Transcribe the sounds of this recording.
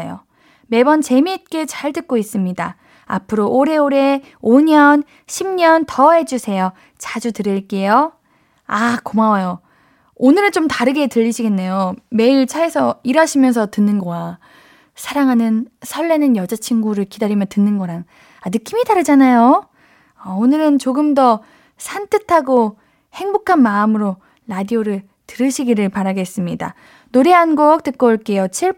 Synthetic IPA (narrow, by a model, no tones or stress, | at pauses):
jo̰ | me̞bʌnt͡ɕe̞mit̚k͈e̞t͡ɕaɭtɯk̚k͈ois͈ɯmɲida | a̰pʰɯɾoʔoɾe̞oɾe̞ | oɲʌn | ɕʰimɲʌntʌɦe̞d͡ʑusʰe̞jo | t͡ɕad͡ʑutɯɾiɭk͈e̞jo | akomawajo | onɯɾɯt͡ɕomtaɾɯɡe̞tɯʎːiɕʰiɡe̞nːe̞jome̞iɭt͡ɕʰaesʰʌiɾaɕʰimjʌns̬ʰʌtɯnːɯnɡʌwa | sʰaɾaŋɦanɯnsʰʌɭːe̞nɯnjʌd͡ʑat͡ɕʰiŋɡuɾɯɭkidaɾimjʌntɯnːɯnɡʌɾaŋ | anɯk͈imidaɾɯd͡ʑanajo | ʌonɯɾɯnt͡ɕoɡɯmdʌ | sʰantʰɯtʰaɡo | he̞ŋbokʰanmaɯmɯɾo | ɾadioɾɯɭ | tɯɾɯɕʰiɡiɾɯɭpaɾaɡe̞s͈ɯmɲida̰ | noɾe̞ɦanɡok̚t͈ɯk͈ʌɭk͈e̞jot͡ɕʰiɭ